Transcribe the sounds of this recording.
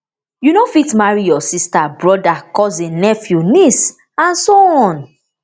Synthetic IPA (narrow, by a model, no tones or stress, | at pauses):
junofitmaɹijɔsistabɹɔdakɔzĩnɛfjunis | ãnsoɔ̃n